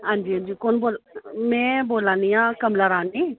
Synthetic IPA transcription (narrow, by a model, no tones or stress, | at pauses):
ɦãːnd͡ʒiːɦãnd͡ʒiːkoːnboːlmɛ̃ːboːlãːniːãːkəmlaːɾaːnːiː